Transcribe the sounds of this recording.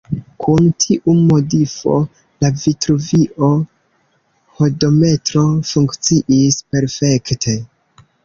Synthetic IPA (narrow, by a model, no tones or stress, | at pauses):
kʰuntʰiʔumo̞difo̞̰ | lavitɾuviʔo̞ | ho̞do̞me̞tɾo̞fuŋkt͡siʔispe̞ɾfe̞ktʰe̞